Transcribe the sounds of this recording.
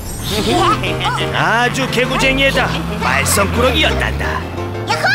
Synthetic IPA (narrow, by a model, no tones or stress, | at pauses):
ad͡ʑukʰeɡud͡ʑeŋieda | maɭs͈ʌmkʰuɾʌɡiʌt̚t͈a̰nda̰